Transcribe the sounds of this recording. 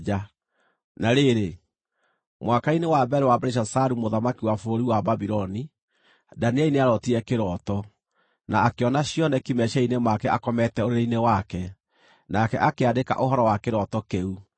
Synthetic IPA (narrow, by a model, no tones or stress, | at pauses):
d͡ʒa | naɾeɾe | mwakainewabɛɾewabɛɾeʃ̬asaɾumoðamakiwafooɾiwababiɾɔni | daniaineaɾɔtiɛkeɾɔtɔ | naːkeɔnaɕjɔnɛkimɛʃainemakɛakɔmɛtɛoɾeɾeinewakɛ | nakɛʔakeadeka̰ʔoɦɔɾɔwakeɾɔtɔkeu